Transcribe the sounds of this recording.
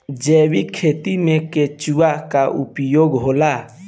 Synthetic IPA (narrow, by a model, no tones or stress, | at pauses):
d͡ʒewikʰet̪imẽket͡ʃuaʔkaʔupjoɡɦola